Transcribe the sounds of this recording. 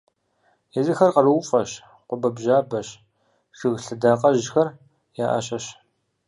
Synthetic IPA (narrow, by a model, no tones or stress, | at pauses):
jɛzɨxɐrqɐrɨwfʼɐɕ | qʷʊbɐbʒaːbɐɕ | ʂɨɣɬɨdaːqɐʑxɐr | jaːʔɐ̰ɕʼɐɕ